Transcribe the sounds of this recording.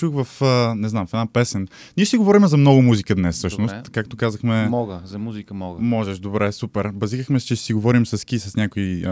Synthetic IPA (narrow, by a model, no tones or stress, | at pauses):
t͡ʃuxvɐfənɛznamfɛd̪apɛsɛnnʲiɛʃt̪ɛɡovɔɾimɛzɐmnɔɡʊmuzikəd̪nɛssɤʃnost̪kak̚t̪okazəxmɛmɔɡəzɐmuzikəmɔɡəmɔʒɛʃd̪obɾɛsupɛɾbɐziɣəxmɛst͡ʃɛʃsiɡovɔɾimsɐskisɐsnʲakoi